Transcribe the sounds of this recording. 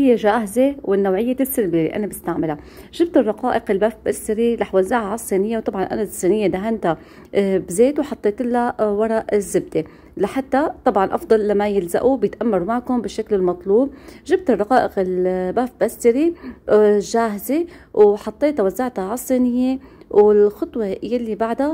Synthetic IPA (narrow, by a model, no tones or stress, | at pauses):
hɪjːeʒaːhzewɪnːawʕɪjːet̪ɪsːɪlblelḭʔa̰nabɪst̪aʕmɪlaʒɪb̚t̪rˤːɑqɑːʔɪqɪlbaːfbʔast̪ɪɾilɑħwazːaʕaʕɑsˤːiːnɪjːewt̪ˤɑbʕɑnʔa̰nasˤiːnɪjːed̪aɦant̪a | bzeːt̪wħɑt̪ˤːeːt̪ɪlːawɑɾˤɑʔɪzːɪb̚d̪e | laħat̪ːat̪ˤɑbʕɑnʔɑ̰fd̪ˤɑlːamːajɪlza̰ʔubjɪt̪ʔamːɑɾumaʕkʊmbɪʃːaklɪlmɑt̪ˤluːb̚ʒɪbt̪ɨrˤːɑqɑːʔɪqɪlbaːfbʔast̪ɪɾi | ʒaːɦze | wħɑt̪ˤːeːt̪awazːaʕt̪aʕɑsˤːiːnɪjːewɪlxɑt̪ˤwejalːibaʕd̪a